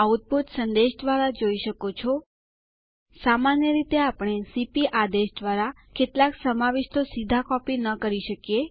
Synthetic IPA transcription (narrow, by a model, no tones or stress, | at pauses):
aut̪̚bʱut̪sənd̪eʃd̪ʋaɾad͡ʒoiʃəkot͡ʃʰɔ | samanjəɾit̪eapɽ̃esipiʔad̪eʃd̪ʋaɾa | ket̪laksəmaʋeʃt̪osid̪ʱakɔpinəkəɾiʃəkje